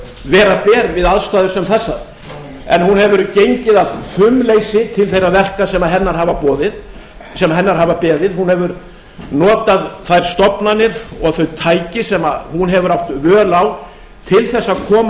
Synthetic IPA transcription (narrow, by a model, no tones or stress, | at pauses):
vɛːɾapɛːɾvɪðaðst̪aːðʏɾsɛmθɛsːaɾ | ɛnhunhɛvʏɾcejɲcɪðaðθʏmlejsɪt̪ʰɪlθejɾavɛr̥kasɛmaðɦɛnːaɾ̥ɦaːvapɔːðɪð | sɛmaɦɛnːaɾ̥ɦaːvapɛːðɪðhunhɛvʏɾ | nɔːt̪aðθajɾ̥st̪ɔpnanɪɾɔɣθœɥt̪ʰaːjcɪsɛmahunɦɛvʏɾawht̪vœːlaw | t̪ʰɪlθɛsːakʰɔːm